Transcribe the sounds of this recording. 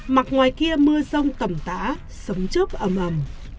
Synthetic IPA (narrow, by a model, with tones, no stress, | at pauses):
ma˨˩t̚ŋwaː˨˩jki˧əmɨ˧əzə˧wŋ͡mt̪ə˨˩mt̪a̰ː˧˦ | sə˨˦wŋ͡mt͡ɕu˦˥p̚ʔə˨˩mʔə˨˩m